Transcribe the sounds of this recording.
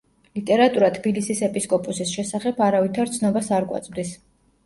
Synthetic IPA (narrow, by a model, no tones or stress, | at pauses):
lit̪ʼɛɾat̪ʼuɾat̪ʰb̥ilisisɛpʼiskʼɔpʼusisʃɛsaχɛbʰaɾavit̪ʰaɾt̪sʰnɔbasaɾkʼwa̰t̪sʼmd̪is